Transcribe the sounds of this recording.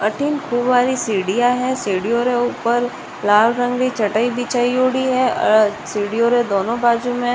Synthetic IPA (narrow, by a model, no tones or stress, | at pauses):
ɐʈʰinkʰuːbʋaːɾisiːɽijaɦɛsiːɽijoɾeuːpəɾ | laːlɾə̃ŋɡɾit͡ʃʰɐʈaibit͡ʃaːijoːɽiɦɛsiːɽijoɾɛ̃d̪oːnõbaːd͡ʒumẽ